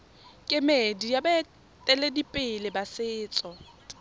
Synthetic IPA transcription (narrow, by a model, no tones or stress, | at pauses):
kʼɪmedijaba | tʼɛledipʼɪlɪbasɪːt͡sʼɔ